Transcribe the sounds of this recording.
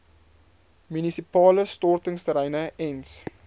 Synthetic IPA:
mynisipɑːləstɔrtəŋstəɾəjnəɛns

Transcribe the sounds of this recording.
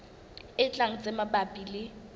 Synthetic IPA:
ɪt͡ɬʼaŋ̩t͡sʼɛmaɓabʼiːlɪ

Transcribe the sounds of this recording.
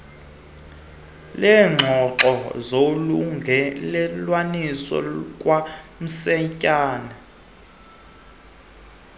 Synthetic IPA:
lɛːŋ͡ǁʱɔǁɔzoluŋʱɛlɛlwanisɔ̰kʼwam̩sɛcʼaːna

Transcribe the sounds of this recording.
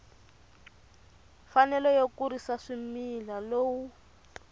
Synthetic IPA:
fanɛlɔjokuɾisaʂimilaloːwu

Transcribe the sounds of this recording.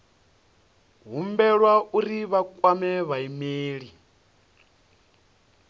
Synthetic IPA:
ɦumbɛɺwauɾiβakʼwamɛβaimeːɺi

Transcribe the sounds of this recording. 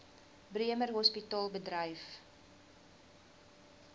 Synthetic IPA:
briəmərɦɔspitɑːlˠbədɾəjf

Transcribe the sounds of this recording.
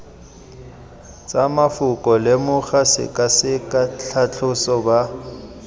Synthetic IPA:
t͡sʼamafʊkʼɔlɪmʊχasɪ̰kʼasɪkʼat͡ɬʰat͡ɬʰʼʊsɔba

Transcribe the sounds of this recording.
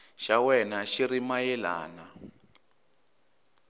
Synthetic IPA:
ʃawɛnaʃiɾimajɛla̰ːna

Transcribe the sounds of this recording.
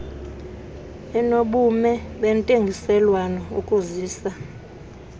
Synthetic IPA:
ɛnoɓumɛɓɛntʼeŋɡʱisɛlwanɔṵkʼuziːsa

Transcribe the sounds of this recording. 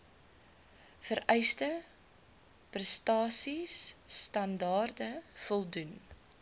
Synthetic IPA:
fəɾɛjstə | prɛstɑːsisːtɐndɑːrdəfɔlˠdun

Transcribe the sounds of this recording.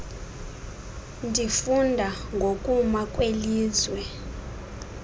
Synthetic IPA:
ndʱifundʱaŋɡʱokʼumakʼweliːzwɛ

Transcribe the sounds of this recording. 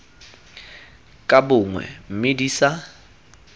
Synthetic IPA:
kʼabʊŋwɛ̰m̩mediːsa

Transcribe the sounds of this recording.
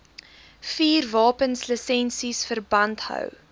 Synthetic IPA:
fiːrvɑːpənsləsɛnsisfərbɐnthœ̰w

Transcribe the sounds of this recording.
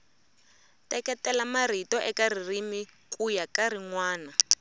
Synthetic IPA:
tɛkɛtɛlamar̤itɔʔɛkaririmi | kʼujakaɾiŋwaːna

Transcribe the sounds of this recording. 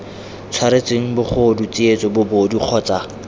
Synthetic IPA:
t͡sʰwaɾet͡seŋ̩bʊχodut͡siet͡sʼɔbʊbodiq͡χʰɔːt͡sa

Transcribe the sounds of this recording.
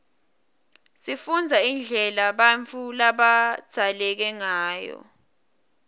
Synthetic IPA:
sifund͡zʱaind͡ɮʱɛlaɓant͡fʰulaɓḁd̥ʱalɛk̬ɛŋaːjɔ̰

